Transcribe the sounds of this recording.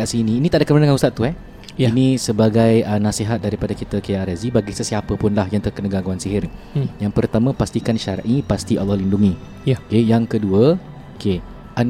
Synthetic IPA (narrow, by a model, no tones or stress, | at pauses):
aʔsinĩːnit̪aʔdakəmənaŋanust̪at̪ːuɦɛ | inĩsəbaɡajənãsiɦat̪̚daɾipadakit̪əkeʔaɾazibaɡisəsiapəpʊnlahjaŋt̪ərkənəɡaɡuansiɦɪr | jaŋpərt̪amə̃past̪ikanʃaɾaʔipast̪ia̰lːɔhlinduŋĩ | okejaŋkəduə | oke | ʔan